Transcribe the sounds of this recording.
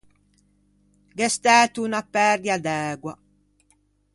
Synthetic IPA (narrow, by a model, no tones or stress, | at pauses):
ɡɛst̪ɛːt̪unapːɛɾd̪jad̪ɛːɡwa̰